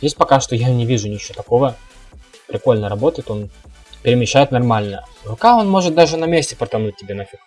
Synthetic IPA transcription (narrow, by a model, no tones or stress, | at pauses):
jʲesʲt̚ʲpɐkaʂt̪ojanʲɪvʲiʐʊnʲit͡ɕot̪ɐko̞və | pɾʲɪko̞lʲnəɾɐbo̞t̪əjɪt̪o̞n | pʲɪɾʲɪmʲɪɕːæjɪt̪nɐrmalʲnəvɐkao̞nmo̞ʐɨt̪̚d̪aʐɨnɐmʲesʲtʲɪpɾət̪ɐnut̚ʲːɪbʲenɐfʲik